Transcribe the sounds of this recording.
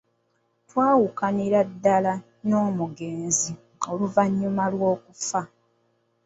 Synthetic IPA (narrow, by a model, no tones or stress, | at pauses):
twaːwukaniɾadːala | no̞ːmuɡe̞ːnzi | o̞luvaɲːumalwo̞ːkufa